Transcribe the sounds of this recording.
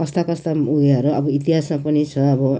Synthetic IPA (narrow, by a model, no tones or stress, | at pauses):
kʌst̪akʌst̪auɡʌɾuʌbʌit̪iɦasmapʌnit͡sʰʌːbʌ